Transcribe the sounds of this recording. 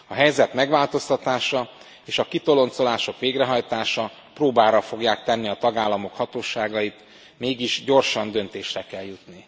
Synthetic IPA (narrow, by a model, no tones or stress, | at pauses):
ɒɦɛjzɛt̪mɛɡʋaːlt̪o̞st̪ɒt̪aːʃɒ | eːʃɒkit̪o̞lo̞nt̪so̞laːʃo̞kʋeːɡrɛɦɒjt̪aːʃɒ | proːbaːɾɒfo̞ɡjaːkt̪ɛnːiɒt̪ɒɡaːlːɒmo̞khɒt̪oːʃaːɡɒjit̪ | meːɡiʒɟo̞rʃɒnd̪ø̞nt̪eːʃrɛkɛljut̪ni